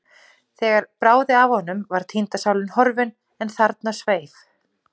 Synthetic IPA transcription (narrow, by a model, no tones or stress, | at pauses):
θɛːɣaɾpɾaːwðɪavhɔnːʏmvaɾ̥t̪ʰint̪asaːwlɪnhɔɾvɪn | ɛnθaɾt̪nasveːjf